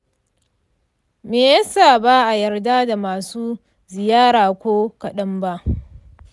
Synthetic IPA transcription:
meː˨jɐ˦saː˨ba˦ʔa˨jɐ˨rdaː˦da˨maː˨suː˦ | zɪ˨jaː˦ɽaː˨kʷoː˦kɐ˨ɗɐ˦mba˦ʔ

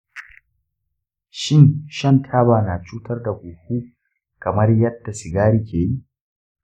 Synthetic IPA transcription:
ʃɪ˦nʃɐ˦ntʰaː˦baː˨naː˨t͡ʃuː˦tɐ˦rda˨ɡʷuː˨huː˦ | kɐ˨mɐ˦rjɐ˦dːa˨sɪ˨ɡaː˦ɾiː˦kʲeː˨ji˦ʔ

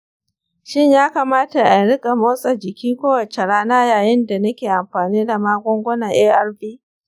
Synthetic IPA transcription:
ʃɪ˦ɲjaː˦ka˨maː˦ta˨ʔa˨nɽɪ˦kʼa˨moː˦sʼɐ˨d͡ʒɪ˨kʲiː˦kʷoː˦wɐ˨t͡ʃe˨ɽaː˦naː˦jaː˨jɪ˦nda˨nɐ˦kʲeː˨ʔa˨mɸaː˨niː˦da˨maː˦ɡʷɔ˦ŋɡʷʊ˦na˨ʔeː˦ʔɐ˦rbiː˦

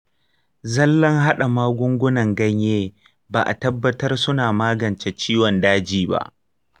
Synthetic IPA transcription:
zɐ˦lːɐ˦ŋɦa˦ɗa˨maː˦ɡʷʊ˦ŋɡʷʊ˦nɐ˨ŋɡɐ˦ɲjeː˦ | baː˨ʔa˨tɐ˦bːɐ˦tɐ˦rsʊ˦naː˨maː˦ɡɐ˨nt͡ʃe˨t͡ʃiː˦wɔ˨ndaː˦d͡ʒiː˨ba̰˦ʔ

